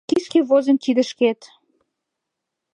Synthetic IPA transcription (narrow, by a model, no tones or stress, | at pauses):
kiskeβozənt̪id̪ə̆ʃket̪